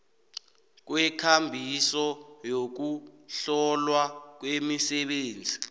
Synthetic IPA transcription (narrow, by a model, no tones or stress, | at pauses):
k̬wɛkʰambʱisɔjok̬uɬɔlwak̬wemisɛɓeːnd͡zʱi